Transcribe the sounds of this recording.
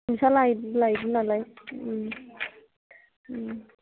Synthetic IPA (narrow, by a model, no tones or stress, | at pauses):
msalailaidnalaj